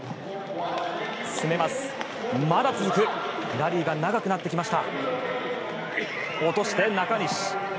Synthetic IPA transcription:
sɨme̞masɨ̥ | mad̪at͡sɨzɨkɯ̟ɾaɾʲiːɡanaɡakɯ̟nat̪ːe̞kʲimaɕi̥t̪a | o̞t̪o̞ɕi̥t̪e̞nakaɲ̟iɕi̥

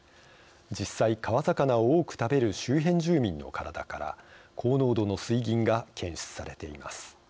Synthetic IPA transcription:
d͡ʑisːaikaβazakanaooːkɯ̟̥t̪abe̞ɾɯ̟ɕɨːɦẽ̞ɲd͡ʑɨːmʲĩnːo̞̰kaɾad̪a̰kaɾa̰kʰo̞ːno̞ːd̪o̞no̞sɨiɡʲĩŋɡakʰẽ̞ɰ̃ɕi̥t͡sɨ̥saɾe̞t̪e̞ḭma̰sɨ̥

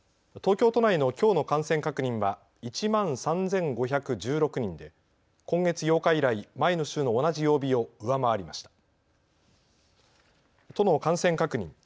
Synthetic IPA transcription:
t̪oːkʲo̞ːt̪o̞naino̞kʲo̞ːno̞kãɰ̃sẽ̞ŋkakɯ̟ɲ̟ĩɰ̃βa | it͡ɕimãñsãnd͡zẽ̞ŋɡo̞çakɯ̟d͡ʑɨːɾo̞kɯ̟ɲ̟ĩnd̪e̞ | kõ̞ŋɡe̞t͡sɨjo̞ːkaiɾaimaino̞ɕɨːno̞ːnaʑijo̞ːbʲio̞ɯ̟βamaβaɾʲimaɕi̥t̪ḁ | t̪o̞no̞kãɰ̃sẽ̞ŋkakɯ̟ɲ̟ḭ̃ŋ

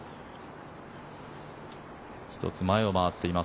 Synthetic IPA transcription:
çi̥t̪o̞̰t͡sɨmaeo̞maβat̪ːe̞ima

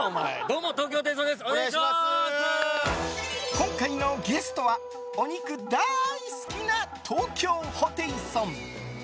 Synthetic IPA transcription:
d̪oːmot̪oːk̬ʲoːt̪esõd̪esɨo | kõŋkaino̞ɡe̞sɨ̥t̪o̞βa | oɲ̟ikɯ̟d̪aisɨ̥kʲinat̪ʰoːkʲo̞ːhot̪ẽ̞ɾɯsõm

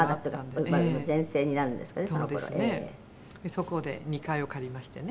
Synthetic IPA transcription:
ad̪at̪ːokmamozẽ̞ɰ̃se̞ːɲ̟inaɾɯ̟̃nd̪e̞sɨ̥kanesonod̪kɾo̰ʔeeːḛː | esokod̪e̞̰ɲ̟ikaiokaɾʲimaɕi̥t̪ene

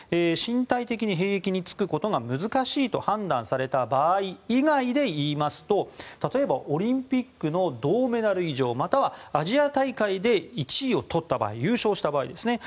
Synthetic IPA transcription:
eːɕĩnt̪ait̪e̞kʲiɲ̟iɦe̞ːekʲiɲ̟it͡sɨ̥kɯ̟ko̞t̪o̞ɡamɯ̟zɨkaɕiːt̪o̞hãnd̪ã̰ɰ̃saɾe̞t̪abaːiːɡaid̪e̞iːmasɨ̥t̪o̞t̪at̪o̞e̞baʔo̞ɾʲĩmpʲikːɯ̟no̞d̪o̞ːme̞naɾɯ̟iʑo̞ːmat̪aβaaʑiat̪aikaid̪e̞it͡ɕiːo̞t̪ʰo̞t̪ːaba̰ːijɯːɕo̞ːɕi̥t̪abaːḭd̪e̞sɨne̞

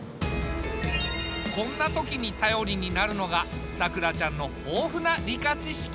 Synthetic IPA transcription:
kõ̞nːat̪o̞kʲiɲ̟it̪ajo̞ɾʲiɲ̟inaɾɯ̟no̞ɡasakɯ̟ɾat͡ɕãnːo̞ho̞ːɸɯ̟naɾʲikat͡ɕiɕi̥kʲ

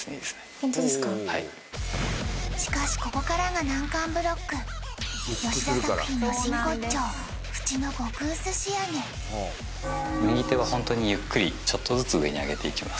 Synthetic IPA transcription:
hai | ɕi̥kaɕi̥ko̞ko̞kaɾaɡanãŋkãmbɯ̟ɾo̞kːɯ̟ | joɕsaɯçʲinoɕĩŋko̞t͡ɕo̞ː | ɸɯ̟̥t͡ɕino̞ɡo̞kɯ̟ːsɨɕijaɡe | mɯɲ̟it̪e̞βahõ̞nt̪o̞ɲ̟ijɯkːɯ̟ɾʲit͡ɕo̞t̪ːo̞zɨt͡sɨɯe̞̰ɲ̟ia̰ɡe̞t̪e̞ikʲimasɨ̥

